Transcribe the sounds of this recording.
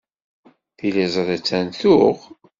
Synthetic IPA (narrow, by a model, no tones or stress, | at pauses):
θilizˤðæt͡sːænθʊʁ